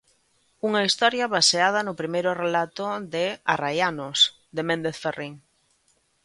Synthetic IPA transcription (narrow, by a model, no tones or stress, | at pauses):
uŋɐist̪ɔɾjɐβaseað̞ɐnʊpɾimejɾʊrelat̪ʊðɪa̰rajanʊs | d̪emẽnd̪eθferiŋ